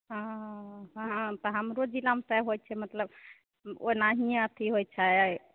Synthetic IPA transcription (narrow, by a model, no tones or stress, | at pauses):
ɦãɦãt̪ɔɦəmɾod͡ʒilamesɛɦojt͡ʃʰɛmət̪ləb | onaɦijãət̪ʰiɦojt͡ʃʰaj